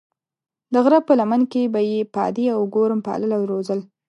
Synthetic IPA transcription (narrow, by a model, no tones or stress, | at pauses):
d̪əɣɾapəlamankebajepɑ̰d̪iawɡoɾəmpɑ̰ləlawɾozəl